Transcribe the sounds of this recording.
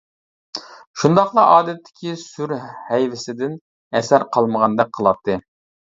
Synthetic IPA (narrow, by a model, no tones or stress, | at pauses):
ʃund̪ɑχlˠɑʔɑːd̪ɛt̪ʰːɪ̥kʲʰisyɾhɛjvɪsɪd̪ɪn | ɛsæɾqʰɑlˠməʁɑnd̪ɛk̚qʰːəlˠɑt̪ʰːɨ